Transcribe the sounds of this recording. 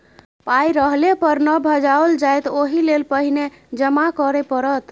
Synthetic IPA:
pajɾəɦlepəɾnəbʱəd͡ʒaold͡ʒajt̪oɦilelpəɦine | d͡ʒəmakəɾepəɾət̪

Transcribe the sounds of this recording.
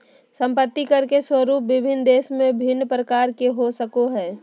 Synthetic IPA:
sə̃mpət̪ːikɐɾkeswəɾuːpʋɪbʱɪnd̪eːsmẽbʱɪnːpɾəkaːɾkeɦosəkoɦɛː

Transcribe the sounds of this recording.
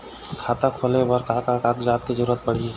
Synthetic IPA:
kʰaːt̪akʰoːlebəɾkaːkakaːkd͡ʒaːt̪kizəɾuːɾət̪̚pɐɽ̤i

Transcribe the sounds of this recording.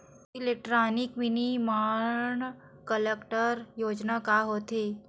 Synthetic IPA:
ɪlek̚ʈɾaːnɪkmɪnimaːɳ | kəlekʈəɾjoːd͡ʒnakaɦoːt̪eː

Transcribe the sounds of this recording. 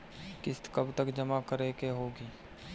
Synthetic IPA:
kɪst̪kɐbt̪əkd͡ʒɐmakəɾekeɦoːɡiː

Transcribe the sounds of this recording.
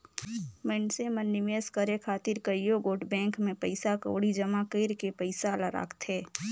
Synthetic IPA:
mɛnsemənːɪmeːskəɾekʰaːt̪ɪɾkəjoɡoːʈbɛ̃ːŋkmẽpəɪsakə̰ːɽid͡ʒəmakeːɾkepəɪsalaɾa̰ːkʰt̪ɦeː

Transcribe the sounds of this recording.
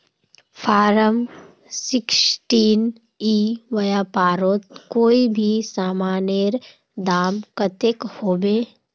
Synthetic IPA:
pʰaːɾəm | sɪksʈiːn | iːʋɐjaːpaːɾoːt̪koːibʱisaːmaːneɾ | d̪aːmkət̪ekhoːbeː

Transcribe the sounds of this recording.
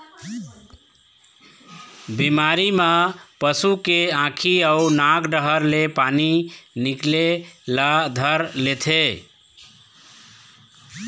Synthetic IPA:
bimaɾimapəsukeãkʰiəunãɡɖəɦəɾlepaniniklelad̪ʱəɾlet̪ʰe

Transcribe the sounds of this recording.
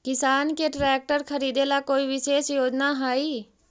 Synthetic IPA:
kɪsaːnkeʈɾɛːk̚ʈəɾxʰəɾiːd̪elakoːiʋɪʃeːʃjoːd͡ʒnaɦaːiː

